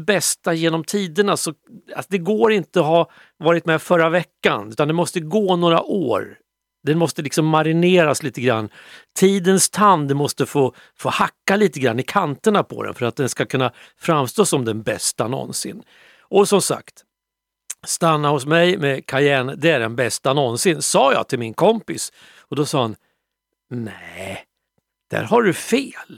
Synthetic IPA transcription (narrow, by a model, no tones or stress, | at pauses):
bɛst̪ajeːnɔmt̪ʰiːd̪əɳasɔa̰sd̪ɛɡoːɾɪnt̪əɔɦa | vɑːɾɪt̪mɛfœɾavɛkːa̰nʉ̟ːt̪and̪ɛmɔst̪əɡoːnoːɾa̰ʔoːɾ | d̪ɛnmɔst̪əlɪksɔmːaɾɪneːɾasliːt̪əɡɾa̰nːt̪ʰiːd̪ənst̪ʰand̪mɔst̪əfoː | foːhakːaliːt̪əɡɾa̰nːɪkʰant̪əɳapʰɔ̰d̪ɛ̰nfœɾat̪̚d̪ɛnskakʰɵnːafɾamːst̪oːsɔmd̪ɛnbɛst̪anɔ̰nsɪ̰nː | ʔɔsɔmsa̰kt̪ | st̪anːahʊsmɛjmɛkʰaɾjæːɳd̪ɛæɖɛnbɛst̪anɔnsɪnsɑːjɑ̰ːt̪ʰɪlmɪnkʰɔmpɪs | ɔd̪ɔsɑːhan | nɛ | d̪̥æ̰ɾɦaɖɵfeːl